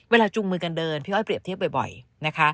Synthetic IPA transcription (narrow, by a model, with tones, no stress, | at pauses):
weː˧laː˧t͡ɕu˧ŋmɯː˧ka˧ndɤː˧npʰi˦˥ʔɔː˥˩pɾi˨˩əp̪̚ʰi˦˥əbɔ˨˩jbɔ̰˨˩jna˦˥kʰa˦˥ʔ